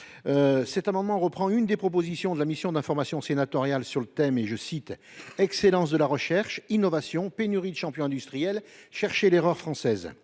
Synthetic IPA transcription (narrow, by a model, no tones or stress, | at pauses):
øsɛt̪amɑ̃d̪mɑ̃ʁəpχɑ̃ynd̪epχɔp̬ozisjɔ̃d̪əlamisjɔ̃d̪ɛ̃fɔʁmasjɔ̃senat̪ɔʁjalsyʁlət̪ɛmeʒəsit̪ | ɛkselɑ̃sd̪əlaʁəʃɛʁʃinɔvasjɔ̃penyʁid̪əʃɑ̃pjɔ̃ɛ̃d̪yst̪χijɛlʃɛʁʃeleʁœʁfχɑ̃sɛz